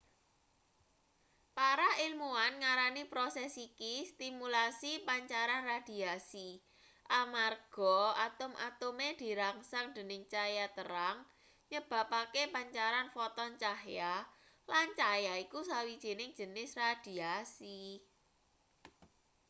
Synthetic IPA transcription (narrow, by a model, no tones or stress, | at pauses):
paɾailmuanŋaɾanipɾosɛsikist̪imulasipaɲt͡ʃaɾanrad̥i̤asi | ʔamarɡ̥ɔat̪ʊmʔa̰t̪ʊmed̥i̤ɾaŋsaŋd̪̥ə̤nɪŋt͡ʃajat̪əɾaŋ | ɲəb̥ä̤pakepaɲt͡ʃaɾanfɔt̪ɔnt͡ʃahja | lant͡ʃajaikusawid̥ʒ̥e̤nɪŋ̥ʒ̥ə̤nɪsrad̥iasi